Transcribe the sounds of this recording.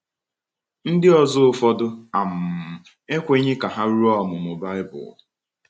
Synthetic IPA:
n̩˦dɪ˦ɔ˨zʊ˦ʊ˨fɔ˦dʊ˦a˨m̩˨ | e˦kʷe˦ɲɪ˦ka˨ɦa˦ɾu˦ɔ˦˨mʊ˨mʊ˨ba˦ɪ˦bʊ̰˨

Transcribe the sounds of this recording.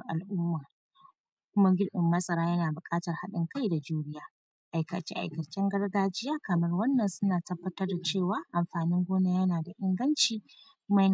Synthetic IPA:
ʔa̰˨lʔʊ˦mːaː˨ | kʷʊ˦ma˦ɡʲɪ˦ɾɗɪ˨mːɐ˦sʼɐ˦ɾaː˦jɐ˦naː˨bʊ˨kʼaː˦tɐ˨rha˦ɗɪ˦ŋka˦jda˨d͡ʒuː˦ɽɪ˦jaː˦ | ʔa˨jkɐ̰˨t͡ʃḛ˦ʔa̰˨jkɐ˨t͡ʃɛ˦ŋɡɐ˦rɡaː˦d͡ʒɪ˦jaː˦kɐ˨mɐ˦rwɐ˦nːɐ˨nsʊ˦naː˨tɐ˦bːɐ˦tɐ˦rda˨t͡ʃeː˦˨waː˨˦ʔa˨mɸaː˨nɪ˦ŋɡʷoː˦na˦jɐ˦naː˨da˨ʔɪ˦ŋɡɐ˦nt͡ʃiː˨ | kʷʊ˦ma˦jɐ˦n˨

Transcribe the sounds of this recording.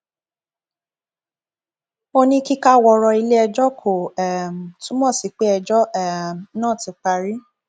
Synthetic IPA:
o˧nĩ˦ki˦ka˦˨wɔ˧ɾɔ˧i˧le˦ɛ˧d͡ʒɔ˦kʰo˨ɛ˨m̩˨tũ˦mɔ̃˦˨si˨˦k͡pe˦ɛ˧d͡ʒɔ˦ɛ˨nãː˦˨ti˨k͡pa˧ɾi˦

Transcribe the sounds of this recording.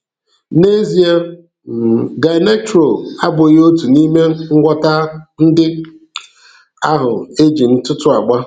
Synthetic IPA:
ne˦zi˨e˦˨ | ɡa˨˦ne˦tɾo˨a˦bʊ˨ɣo˦tu˨ni˦me˦ŋ̩˦ɡʷɔ˦ta˦n̩˦dɪ˦ | a˦ɦʊ˨e˦d͡ʒi˨n̩˦tʊ˦tʊ˦a˨ɡ͡ba˦

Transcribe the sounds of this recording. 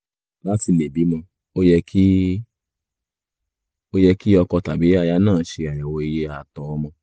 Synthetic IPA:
la˦ti˧le˨bi˨˦mɔ̃˧ | o˦jɛ˧kʰi˦ | o˦jɛ˧ki˦ɔ˧kɔ˧ta˨bi˨˦a˧ja˧nãː˦˨˦ʃe˧a˨ja˨wɔ˧i˧je˦a˨tɔ˨ɔ˦mɔ̃˧

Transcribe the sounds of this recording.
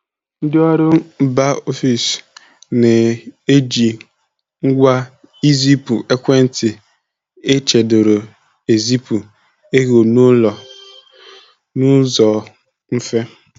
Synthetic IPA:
n̩˦dɪ˦ɔ˦ɾʊ˦ba˦o˦fi˨s | ne˨e˦d͡ʒi˨ | ŋ̩˦ɡʷa˦ | i˦zi˦pu˨ʔe˦kʷe˦n̩˦tɪ˨ | e˦t͡ʃe˨do˨ɾo˨ | e˨zi˦pu˨ | e˦ɣo˨nʊ˦lɔ˨ | nu˦zɔ˨ | m̩˦fe˦

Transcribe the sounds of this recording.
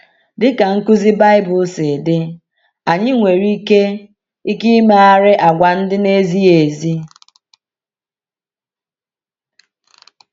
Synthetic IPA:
dɪ˦ka˨ŋ̩˦ku˦zi˦ba˦ɪ˦bʊ˨˦se˨dɪ˦ | a˨ɲɪ˦ŋʷe˨ɾi˦ke˦ | i˦ki˦me˦a˦ɾɪ˦ʔa˨ɡʷa˨n̩˦dɪ˦ne˦zi˦e˨zi˦

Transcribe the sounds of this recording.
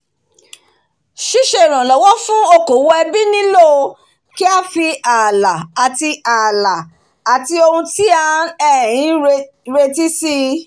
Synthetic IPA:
ʃi˦ʃe˧˨ɾ̃ã˨lɔ˨wɔ˦fũ˦o˧ko˨˦wɔ˧ɛ˧bi˦nĩ˦lo˦˧ | ki˦a˦˨fi˧a˨la˨a˨ti˧a˨la˨ | a˨ti˧o˧hũ˧ti˦ã˦ɛ˦˨j̃ĩ˨˦e | ɾe˧ti˦si˦

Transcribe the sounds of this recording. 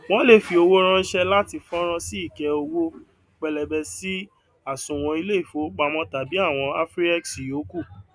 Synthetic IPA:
w̃ɔ̃˦le˦˨fi˧o˧wo˦ɾ̃ã˦i˦ʃɛ˧la˦ti˧fɔ̃˦ɾ̃ã˧si˦i˦˨kɛ˧o˧wo˦ | k͡pɛ˨lɛ˨bɛ˧si˦ | a˨sũ˨w̃ɔ̃˧i˧le˦i˦˨fo˨˦k͡pa˧mɔ̃˦ta˨bi˨˦a˦˨w̃ɔ̃˧a˦fɾi˦ɛ˦ksi˨jo˨˦ku˦˨

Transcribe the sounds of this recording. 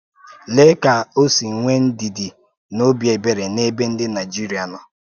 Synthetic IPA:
le˦ka˨o˦si˨ŋ̩˨ŋʷe˦n̩˦di˨di˨ | no˦bje˨be˨ɾe˨ne˦be˦n̩˦dɪ˦na˨jd͡ʒi˦ɾi˨˦a˨nɔ˨

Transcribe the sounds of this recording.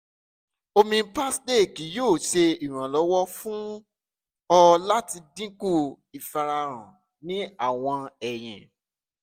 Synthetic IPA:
o˧mĩ˧pa˦sde˦˨ki˨˦joː˦˨ʃe˧i˨ɾ̃ã˨lɔ˨˦wɔ˦fũ˦ | ɔ˧la˦ti˧dĩ˦ku˦˨ | i˨fa˧ɾa˧ɾ̃ã̰˨ | nĩ˨˦a˦˨w̃ɔ̃˧ɛ˨j̃ɛ̰̃˨

